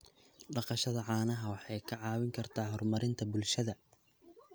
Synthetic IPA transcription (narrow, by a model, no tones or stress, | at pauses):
ɖɑqɑʃɐðɐʕɑːnɐɦɐwɑħɑjkʰɐʕɑːwɪŋkʰɐrt̪ʰaːhɔrmɐɾɪnt̪ʰɐbʊlʃɐðɐ